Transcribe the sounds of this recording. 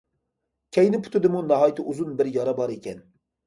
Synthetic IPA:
kʲʰɛjnɪpʰʊ̥t̪ʰʊd̪ɪmunɑɦɑːjt̪ʰɪʔuzunbɪɾjɑɾɑbɑɾekʲʰɛn

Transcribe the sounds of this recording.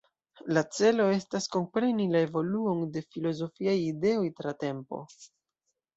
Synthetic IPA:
lat͡se̞lo̞e̞stasko̞mpɾe̞nilae̞vo̞luo̞nde̞filo̞zo̞fiajide̞o̞jtɾate̞mpo̞̰

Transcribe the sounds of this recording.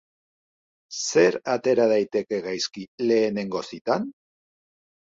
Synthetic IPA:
se̞ɾat̪e̞ɾað̞ajt̪e̞ke̞ɣajskile̞ːne̞ŋɡo̞sit̪an

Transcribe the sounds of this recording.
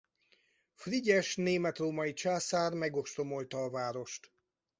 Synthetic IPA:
friɟɛʃneːmɛt̪roːmɒjit͡ʃaːsaːrmɛɡo̞ʃt̪o̞mo̞lt̪ɒːvaːɾo̞ʃt̪

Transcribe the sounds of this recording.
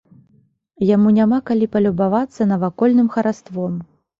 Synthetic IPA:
jamunʲamakalʲipɐlʲubavat̪sːɐnɐvakɔlʲnɨmxɐɾast̪vɔm

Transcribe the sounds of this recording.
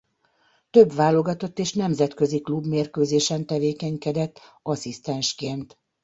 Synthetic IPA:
t̪øbʋaːlo̞ɡɒt̪o̞t̪ːeːʃnɛmzɛt̪kø̞ziklubmeːrkøːzeːʃɛnt̪ɛveːkɛɲkɛd̪ɛt̪ː | ɒsist̪ɛnʃkeːnt̪

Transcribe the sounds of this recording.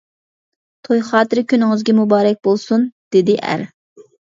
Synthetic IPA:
t̪ʰojχɑːt̪ɨɾɪkʲʰynɪŋɪzɡʲɛmubɑːɾɛk̚ʲbolˠsund̪̥ɪd̪ɪʔæ̰ɾ

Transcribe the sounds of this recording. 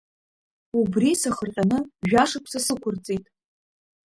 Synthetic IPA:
ubrisaχərqʲʼanɨʒᶣaʂakʷʰsasɨkʷʰʊrt͡sʼijtʼ

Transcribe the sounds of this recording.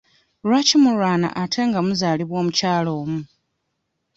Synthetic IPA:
ɾwacimuɾwaːna̰ʔatʰe̞ŋɡamuzaːliβwo̞ːmucaːlo̞ːmu

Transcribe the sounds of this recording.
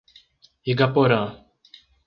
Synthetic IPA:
iɡapoɾã

